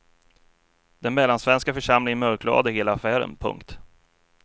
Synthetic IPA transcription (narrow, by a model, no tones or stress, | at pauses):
d̪ɛnmɛlːansvɛnskafœʂamlɪŋənmœɾkʰlɑ̰ːd̪əheːlaːfæːɾə̰npʰɵ̰ŋkt̪